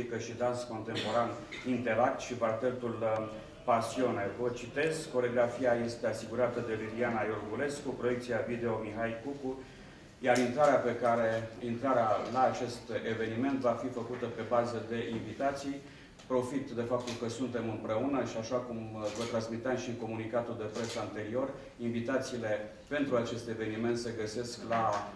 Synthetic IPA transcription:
ikəʃid̪ansko̞nt̪e̞mpo̞ɾanint̪e̞lak̚t̪ʃibart̪elt̪ul | pasio̞nevət͡ʃit̪e̞skkːo̞ɾoɡɾafiaje̞st̪e̞asiɡuɾat̪əd̪e̞lilianajorɡule̞skupɾo̞je̞k̚t̪sijavid̪e̞o̞miɦajkuku | jaɾint̪ɾaɾeape̞kaɾe̞int̪ɾaɾealaːt͡ʃe̞st̪e̞ve̞nime̞nt̪vafifəkut̪əpe̞bazəd̪e̞ʔinvit̪at̪sij | pɾo̞fit̪d̪e̞fap̚t̪ulkəsunt̪e̞mɨmpɾe̞unəʃiaʃakumvət̪ɾansmit̪eamʃiŋko̞munikat̪uld̪e̞pɾesaːnt̪e̞ɾio̞r | invit̪at̪siːle̞ | pe̞nt̪ɾuat͡ʃe̞st̪e̞ve̞nime̞nt̪se̞ɡəse̞skla

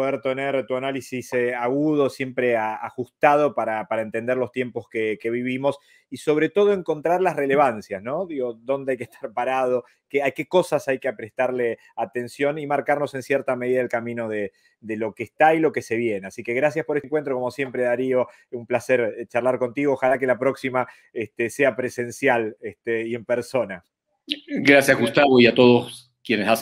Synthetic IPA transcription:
poðeɾt̪eneɾt̪uanalisisaɣuð̞o̞sje̞mpɾeaa̰xust̪að̞o̞paɾapaɾae̞nt̪e̞nd̪eɾlo̞st̪je̞mpo̞skeke̞β̞iβimo̞s | iso̞βɾe̞t̪o̞ð̞o̞e̞ŋko̞nt̪ɾaɾlasre̞le̞βansjasno̞ðiɣo̞d̪o̞nd̪eajkeht̪ʰaɾpaɾað̞o | keake̞ko̞sasajkeapɾe̞hst̪aɾle | at̪e̞nsjo̞nimaɾkaɾno̞se̞nsjeɾt̪ame̞ðiðaðelkamĩno̞ð̞e | d̪elo̞keːst̪ailo̞ke̞se̞βje̞neasike̞ɣɾasjaspoeeŋkwe̞nt̪ɾo̞ko̞mo̞sje̞mpɾe̞ðaɾio̞ | umplaseɾt͡ʃarlaɾko̞nt̪iɣoːxalak̬elapɾo̞ksima | est̪eseapɾese̞nsjalest̪eie̞mpeɾso̞na | ɡɾasjazɣust̪aβoiat̪oð̞os | kjenesas

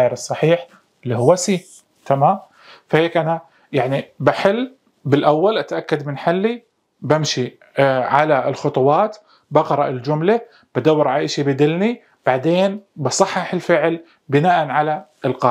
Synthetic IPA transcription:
jɪɾɨsˤːɑħiːħ | ɪlːihʊwːasiː | t̪ʰamaːm | faheːkʔana | jaʕnibaħɪlː | bɪlʔawːalʔat̪ʔakːad̪mɪnħalːi | bamʃi | ʕalaɪlxʊt̪ˤʊwɑːt̪ | bɑqɾˤɑʔɪld͡ʒʊmla | b̥ad̪awːɪɾʕalʔɪʃibɪd̪ɪlni | b̥aʕd̪eːnbɑsˤɑħːɑħɪlfɪʕl | bɪnaːʔanʕala | ɪlqɑː

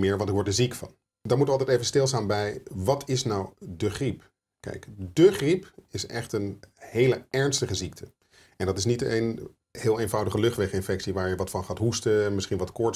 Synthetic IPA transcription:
mɪːɹʋɑntɪkʋɔɹtdəzikfɑ̰n | daːɹmutʋɑlˠtɛjtejvənstɪlˠstaːnbɛjʋɑtʰɪsnɑwdəχrip | kɛ̰jkdəχripɪsɛχtənhejləɛɹnstəχəzik̚tʰə | ɛndɑtɪs̬nitḛn | hɪːlˠejnvɑwdəχəlɵχtʋɛχɪnfɛksiʋaːɹjəʋɑtfɑnχaːtɦustəmɪsχinʋɑtkɔɹt

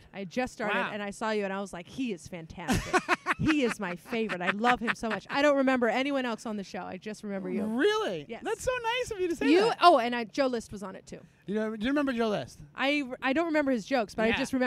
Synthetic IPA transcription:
ʔaɪd͡ʒʌstɑɹɾɨɾɨ̰̃naɪsɔjɨɨ̃ñaɪwʌz̥laɪkhiɨz̥fæ̃ntʰæstɨkhiɪzmaɪfeɪvə˞ɨɾaɪlʌv̥ɨ̃msoʊmʌt͡ʃaɪɾõʊ̃nt̚ɹɨmɛ̃mbə˞ɛniwʌ̃ñɛlˠsn̩ðɨʃoʊa̰ɪd͡ʒʌst̚ɹɨmɛ̃mbə˞jɨɹɪlˠijɛðætsoʊnaɪsfəvjɨɾɨsiɨʔoʊɨ̃nd͡ʒ̥oʊlɪst̚wʌzn̩ɨtʰʉ̰ | jɨnodɨjɨɹɨmɛ̃mbə˞d͡ʒoʊlɪst̚ʔaɪaɪɾõʊ̃nɹɨmɛ̃mbə˞ɨzd͡ʒoʊksb̥ʌɾaɪd͡ʒʌst̚ɹɨmɛ̃

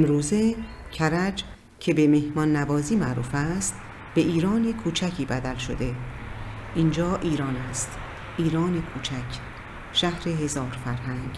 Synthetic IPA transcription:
emɾuːze̞ | cʰæɾæd͡ʒ | cʰe̞be̞me̞hmɒːnːæbɒːziːmæʔɾṵːfæst̪ | b̥e̞ʔiːɾɒːne̞kʰuːt͡ʃʰæcʰiːbæd̪ælʃo̰d̪e̞ | ʔind͡ʒɒːʔiːɾɒːnæst̪ | ʔiːɾɒːnekʰuːt͡ʃʰækʰ | ʃæhɾe̞ɦe̞zɒːɾfæɾɦæŋɡ

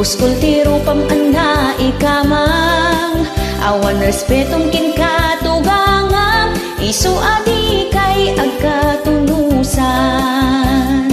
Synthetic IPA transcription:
ʊskʊlt̪iɾʊpɐŋʔɐnːaʔɪkamaŋʔa̰wɐnɾɛspɛt̪oŋkɪnkat̪ʊɡaŋaŋ | ʔɪsuʔad̪ikajʔɐɡ̚kat̪ʊnusa | n

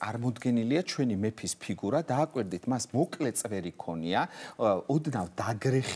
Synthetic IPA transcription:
sʼaɾmɔd̪ɡɛniliat͡ʃʰwɛnimɛpʰispʰiɡuɾad̪aːkʼwiɾd̪it̪ʰmasmɔkʼlɛt̪sʼvɛɾikʰɔniaɔd̪navd̪aɡɾɛχ

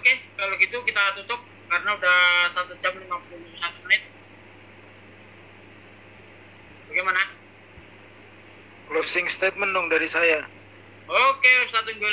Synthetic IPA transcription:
okekaloɡit̪ukit̪at̪ut̪ʊp̚ | kaɾənaudasat̪ud͡ʒamlimapulusat̪unɪt̪̚ | baɡemana | klosɪŋst̪et̪̚mənːʊŋdaɾisaja | okesat̪umbel

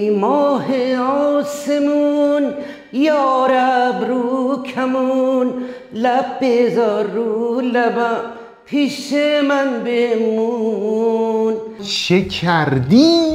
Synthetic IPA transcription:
mɔːɦeɔːsemun | jɔːɾabɾukʰamunlab̚bezɔɾːulaba | pʰiʃemanbemu | nʃekʰæɾd̪i

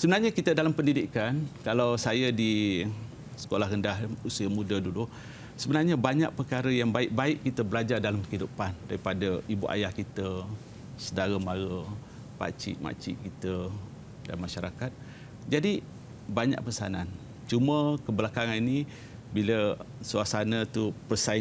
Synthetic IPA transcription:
səbənarɲəkit̪ədalampəndidikankalawsajədi | sə̥kolahrəndaɦusiəmudədulu | səbənarɲabaɲa̰ʔ̚pərkaɾəjaŋbaɪʔ̚baɪʔkit̪əbəlad͡ʒardalamkəidupandaɾipadəibuʔa̰jahkit̪ə | sədaɾəmaɾə | pa̰t͡ʃḭʔma̰t͡ʃḭʔkit̪ə | da̰nmaʃaɾakat̪̚ | d͡ʒadi | baɲa̰ʔ̚pəsanan | t͡ʃuməkəbəlakaŋanini | bilə | suasanət̪upərsa

